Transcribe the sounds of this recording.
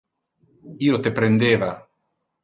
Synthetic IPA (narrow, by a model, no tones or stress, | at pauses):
iːot̪epɾend̪eːva